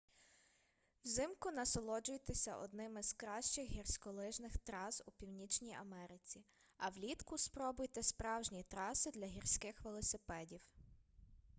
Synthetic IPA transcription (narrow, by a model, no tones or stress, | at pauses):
wzɪmkʊnɐsɔlˠɔd͡ʒʊjt̪ɪsʲɐʔɔ̰d̪nɪmɪzkɾɑʃt͡ʃɪxɦirsʲkɔlˠɪʒnɪxt̪ɾɑzupʲiwnʲit͡ʃnʲijɐ̰mɛɾɪt͡sʲi | ɐwlʲit̪kʊspɾɔbʊjt̪ɛspɾɑwʒnʲit̪ɾɑsɪd̪lʲɐɦirsʲkɪxʋelˠɔsɪpɛdʲiw